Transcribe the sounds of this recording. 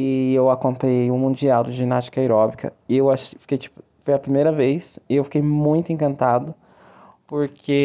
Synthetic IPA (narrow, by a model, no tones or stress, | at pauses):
ɪewakõnt̪ejũmũd͡ʒiawd͡ʒɪʒinast͡ʃi̥kɐeɾɔbikɐ̰ɪewaʃefi̥kejt͡ʃi̥pʊ | fojɐpɾimejɾɐvejsɪewfi̥kejmũj̃t̪ʊẽŋkɐ̃nt̪ad̪ʊ | poɾkʰe